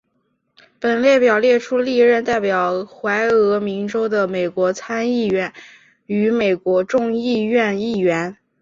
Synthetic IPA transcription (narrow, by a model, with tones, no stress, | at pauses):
pə˨˩nljɛ˥˩pjɑ˨˩ʊljɛ˥˩ʈ͡ʂʰu˥li˥˧ɻə˥˧nt̪a˥˩ɪpjɑ˨˩ʊxwa˧˥ɪɤ˧˥mi˧˥ŋʈ͡ʂo˥ʊd̪ə˨me˨˩ɪkwɔ˧˥t͡sʰa˥ni˥˩ɥɛ˧˥˩n | y˧˥me˨˩ɪkwɔ˧˥ʈ͡ʂʊ˥˧ŋi˥˧ɥɛ˥˧ni˥˩ɥɛ˧˥n